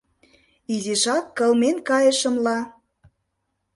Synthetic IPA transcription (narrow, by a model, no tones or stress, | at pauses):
izeʃɑkːɤ̆lmenkɑjə̆ʃə̆mlɑ